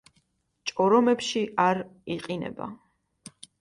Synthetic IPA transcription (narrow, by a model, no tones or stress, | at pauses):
t͡ʃʼɔɾɔmɛpʃiʔaɾiqʼinɛ̰ba̰